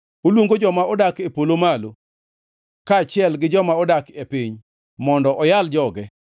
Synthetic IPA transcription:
olwoŋɡod͡ʒɔmaɔdakepolomalo | kat͡ʃɪɛlɡɪd͡ʒɔmaɔdakepiɲ | mɔndɔʔɔjald͡ʒɔɡɛ

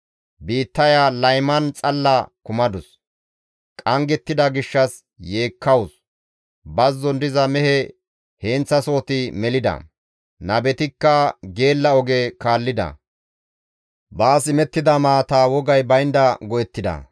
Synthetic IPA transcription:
biːt̪ːɐjalɐjmɐnt͡sʼɐlːɐkʊmɐd̪ʊs | kʼɐŋɡɛt̪ːɪd̪ɐɡɪʃːɐs | je̞ːkʰːɐwʊs | bɐzːɔnd̪ɪzɐmɛhɛ | heːnt͡sːɐso̞ːt̪ɪmɛlɪd̪ɐ̰ | nɐbɛt̪ɪkːɐɡe̞ːlːɐɔɡɛkaːlːɪd̪ɐ̰ | baːsɪmɛt̪ːɪd̪ɐmaːt̪awɔɡɐjbɐjnd̪ɐɡɔjɛt̪ːɪd̪ɐ̰

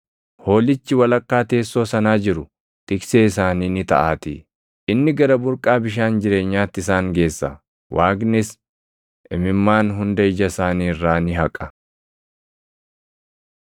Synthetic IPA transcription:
ho̞ːlɪt͡ʃːɪwɐlɐkʼːaːt̪e̞ːsːo̞ːsɐnaːd͡ʒɪɾʊ | t̪ɪkseːɪsaːniːnɪt̪ɐ̰ʔaːt̪ḭː | ʔɪnːɪɡɐɾɐbʊɾkʼaːbɪʃ̬aːnd͡ʒɪɾe̞ːɲːaːt̪ːɪɪsaːŋɡe̞ːsːɐ̰ | waːɡnɪs | ʔɛmɪmːaːnɦʊnd̪ɐɪd͡ʒɐsaːniːɪrːaːnɪɦɐkʼɐ̥

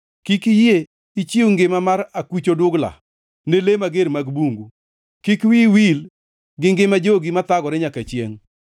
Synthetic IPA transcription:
kikije | it͡ʃiuŋɡɪmamaɾakwit͡ʃodʊɡla̰ | nelemaɡeɾmaɡbuŋɡu | kikwiwil | ɡɪŋɡɪmad͡ʒoɡimat̪aɡɔɾɪɲakat͡ʃjḛŋ

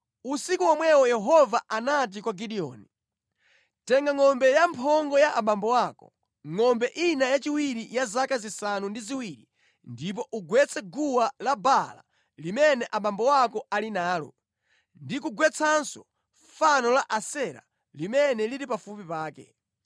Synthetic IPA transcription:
usikuwamwɛwɔjɛɦɔvaanat̬ikwaɡiɗiɔ̰ːni | tɛŋɡaŋɔmbɛjampʰɔŋɡɔjaʔaɓambɔwakɔ | ŋɔmbɛʔinajat͡ʃiwiɾijazakazisanundiziwiɾi | ndip̬ɔʔuɡwɛt͡sʰɛɡuwalabala̰ | limɛnɛʔaɓambɔwakɔalinaːlɔ̰ | ndikuɡwɛt͡sʰansɔ | fanɔlaʔasɛɾa̰ | limɛnɛliɾipafupipaːkɛ̰

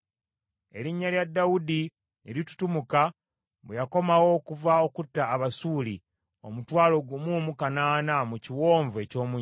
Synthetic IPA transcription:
e̞ɾiɲːaljadːawudi | eɾitu̥tumuka | bwejako̞mawo̞kuvaokutːaːβasuːli | o̞̰mutwaːlo̞ɡumumukanaːnamuciwo̞ːɱvue̞co̞ːmuɲ

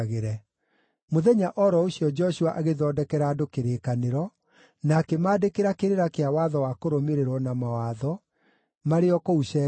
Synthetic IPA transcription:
ɣeɾɛ | moðɛɲaʔɔɾɔosiɔd͡ʒɔɕuaʔaɣeðɔːdɛkɛɾadokeɾeːkaneɾɔ | nakɛmaːdekeɾakeɾeɾakeawaːðɔwakoɾomeɾeɾwɔnamawaðɔ | maɾeɔkouʃɛ

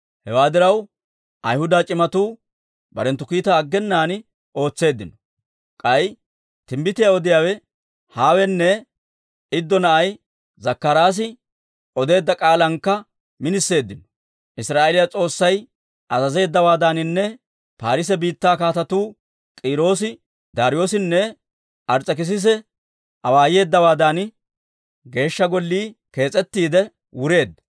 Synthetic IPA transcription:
hɛwaːd̪ɪɾɐw | ʔɐjhʊd̪aːt͡ʃʼɪmɐt̪uː | bɐ̰ɾɛnt̪ːʊkiːt̪aːɡːɛnːaːn | o̞ːt͡sːe̞ːd̪ːɪnɔ̥ | kʼɐj | t̪ɪmbɪt̪ɪjaɔd̪ɪjaːwɛ | haːwɛnːɛ | ɪd̪ːɔnɐʔɐj | zɐkːɐɾaːs̬ɪ | ʔɔd̪e̞ːd̪ːɐkʼaːlɐŋkːɐ | mɪnɪsːe̞ːd̪ːɪnɔ̥ | ʔɪsɾaːʔelɪjɐt͡sʼo̞ːsːɐj | ʔɐzɐze̞ːd̪ːɐwaːd̪aːnɪnːɛ | paːɾɪs̬ɛbiːt̪ːaːkaːt̪ɐt̪uː | kʼiːɾo̞ːsɪ | d̪aːɾɪjo̞ːsɪnːɛ | ʔɐɾt͡sʼːɛk̬ɪs̬ɪs̬ɛ | ʔɐwaːje̞ːd̪ːɐwaːd̪aːn | ɡe̞ːʃːɐɡɔlːiːke̞ːt͡sʼɛt̪ːiːd̪ɛ | wʊɾe̞ːd̪ːɐ

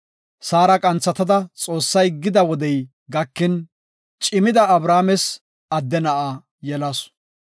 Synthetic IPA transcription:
saːɾɐkʼɐnt͡sːɐt̪ɐd̪ɐt͡sʼo̞ːsːɐjɡɪd̪ɐwɔd̪ɛj | ɡɐkːɪn | t͡ʃʼɪmɪd̪ɐɐbɾaːmɛs | ɐd̪ːɛnɐʔaː | jɛlɐs

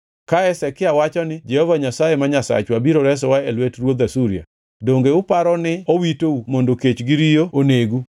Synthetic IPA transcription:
kaɛsɛkɪawat͡ʃɔnɪd͡ʒɛhɔvaɲasajemaɲasa̰t͡ʃwabiɾoɾɛs̬ɔwaelwetrwod̪asuɾia̰ | doŋɡeʊpaɾɔnɪowitoumondoket͡ʃɡɪɾijooneɡu

